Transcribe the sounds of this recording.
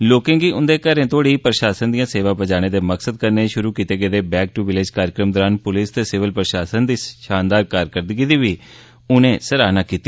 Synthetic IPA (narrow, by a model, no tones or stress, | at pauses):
loːkẽːŋɡiːʊnd̪eːkəɾẽːt̪ʰoːɽiːpɾəʃaːsənd̪ijãːseːʋaːpəd͡ʒaːɽ̃eːd̪eːməksəd̪̚kəɾneːʃʊɾuːkiːt̪eːɡəːd̪eːbɛːk̚ʈuʋɪleːd͡ʒkaːɾəkɾəmd̪ɔːɾaːnpʊlɪst̪eːsɪʋəlpɾəʃaːsənd̪iːʃaːnd̪aːɾkaːɾkəɾd̪əɡiːd̪iːʋiː | ʊnẽːsəɾaːnaːkiːt̪i